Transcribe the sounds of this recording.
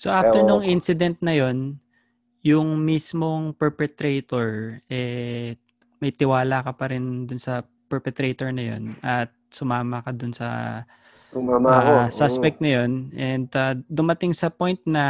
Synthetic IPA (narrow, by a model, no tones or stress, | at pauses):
soʔaft̪ɛɹnʊŋʔinsɪd̪ɛnt̪̚nɐjo̞n | jʊŋmismo̞ŋpɛɹpɛt̪ɾet̪oɹʔɛ | mɐjt̪ɪwaːlakɐpɐɾɪnd̪ʊnsɐ | pɛɹpɛt̪ɾejt̪oɹnɐjo̰nɐt̪̚sʊmaːmɐkɐd̪ʊnsɐ̰ | aasaspɛk̚t̪nɐjo̞nʔɛnd̪ad̪ʊmɐt̪ɪŋsɐpojnt̪̚nɐ